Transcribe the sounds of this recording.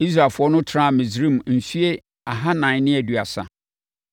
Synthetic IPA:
i˦s̬ɾa˨fʊ˨ɔ˦nʊ̃˦tʰɾã˦˨mĩ˨zɾĩ˦m˨n̩˨su˦e˦ | a˨ɦa˦nã˨˦nɪ̃˦ɛ˨du˨a˨sa̰˨

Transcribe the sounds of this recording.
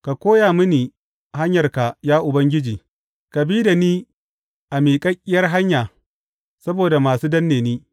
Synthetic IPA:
ka˨kʷoː˦ja˨mʊ˦niː˨ | ha˦ɲjɐ˨rka˨jaː˦ʔʊ˨bɐ˦ŋɡʲɪ˦d͡ʒiː˨ | ka˨biː˦da˨niː˦ | ʔa˨miː˨kʼɐ˦kʲʼːɪ˦jɐ˦rɦa˦ɲjaː˨ | sɐ˦boː˨da˨maː˨suː˦dɐ˦nːeː˨niː˦

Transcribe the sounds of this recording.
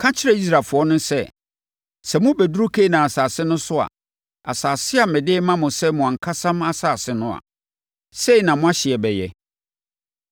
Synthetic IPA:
kʰã˦t͡ɕʰɪ˦ɾɛ˦˨i˦s̬ɾa˨fʊ˨ɔ˦nʊ̃˦sɛ˦ | sɛ˨mʊ̃˦bæ˨du˦u˦kʰe˦nã˨a˨saː˨sɪ˦nʊ̃˦sʊ˦a̰˨ | a̰˨saː˨sɪ˦a˨mɪ̃˨dɪ˦mã˦mʊ̃˨sɛ˦mʊ̃˨ã˨ŋ̩˨kʰa˦sã˦ma˦saː˨sɪ˦nʊ̃˦a̰˨ | se˦i˨nã˨mʊ̃˦a˦ɕɪ˨ɛ˨bɛ˨jɛ̰˨

